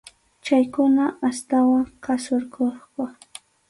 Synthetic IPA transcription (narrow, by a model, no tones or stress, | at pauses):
t͡ʃajkʊnaast̪awaŋkasoɾkoχkʊ